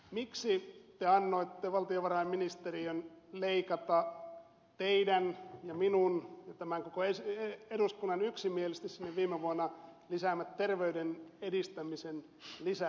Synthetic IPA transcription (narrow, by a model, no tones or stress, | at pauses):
miksit̪eɑnːoit̪ːeʋɑlt̪ioʋɑrɑemminist̪erionleikɑt̪ɑ | t̪eidænjɑminunjɑt̪æmæŋkokoeseeɾuskunːɑnyksimielist̪issinːeʋʋiːmeʋuɑnːɑlisæmːæt̪t̪erʋeydenedist̪æmisen | lisæ